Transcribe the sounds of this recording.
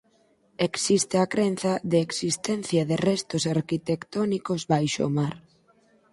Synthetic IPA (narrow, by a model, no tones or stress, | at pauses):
eksist̪ɪakɾen̟θɐðeeksist̪ɛn̟θjɐðɪrɛst̪osaɾkit̪ekt̪ɔnikozbβajʃo̰maɾ